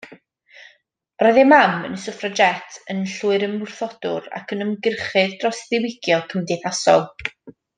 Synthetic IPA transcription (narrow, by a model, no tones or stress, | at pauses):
rɔjðɛmamə̰nəsəfrad͡ʒɛtʰənɬuːɨɾəmːʊrθɔd̥ʊ̰ɾa̰kʰənəmɡɪrχɨðdrɔsðɪwɪɡjɔkʰəmdɪθasɔ̰lˠ